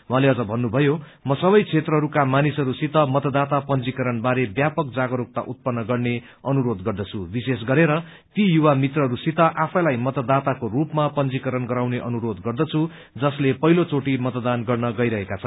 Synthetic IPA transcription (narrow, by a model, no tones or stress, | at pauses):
wɦãleʌd͡zʌbʱʌnːubʱʌjo | mʌsʌβʌjt͡sʰet̪rʌɦʌɾukamanisʌɾusit̪ʌmʌt̪ʌd̪at̪apʌnd͡zikʌɾʌnbaɾebjapʌk̚d͡zaɡʌɾok̚t̪a̰ʔut̪̚pʌnːʌɡʌrne | ʌnuɾod̪ɡʌrd̪ʌt͡sʰubisesɡʌɾeɾʌ | t̪ijuwamit̪rʌɦʌɾusit̪ʌʔapʰʌlajmʌt̪ʌd̪at̪akorupmapʌnd͡zikʌɾʌnɡʌɾawneʔʌnuɾod̪ɡʌrd̪ʌt͡sʰu | d͡zʌslepʌɦilot͡soʈimʌt̪d̪anɡʌrnʌɡʌjɾʌɦekat͡sʰʌn